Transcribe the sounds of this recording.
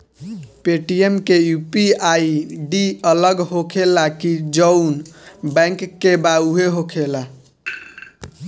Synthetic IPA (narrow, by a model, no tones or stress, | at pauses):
peʈijemkejupiaiɖiələɡɦokʰelakid͡ʒəʊnbɛ̃ŋkːebauɦeɦokʰela